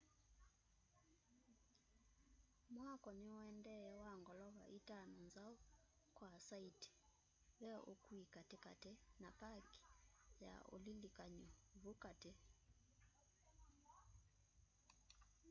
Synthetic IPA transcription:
mwakɔniɔɛndɛɛwaŋɡɔlɔβa̰ʔitananzau | kwasaiti̥ | βɛokwikatɛka̰tɛnakaki̥ja̰o̰lilikaɲɔβukatɛ

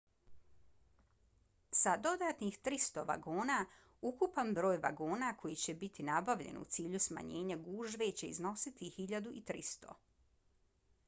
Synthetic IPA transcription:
sad̪o̞d̪aːt̪nixt̪ɾist̪o̞ʋa̰ɡoːna | ukupanbɾo̞ːjʋa̰ɡoːnakʰo̞jit͡ɕe̞bit̪inabaʋʎe̞̰nṵt̪siːʎusma̰ɲe̞ːɲaɡuːʒʋe̞t͡ɕe̞izno̞sit̪ihiʎad̪uʔit̪ɾist̪o̞̰

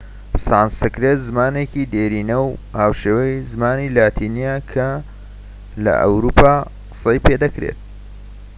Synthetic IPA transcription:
saːnsɨkɾet̪zɨmaːnecid̪eːɾiːnɐwhaːwʃeːwɐjzɨmaːniːlaːt̪ʰiːnijakʰɐ | lɐ̰ʔɐ̰wɾuːpʰaː | qɨ̥sejpeːd̪ɐkɾḛt̪̚

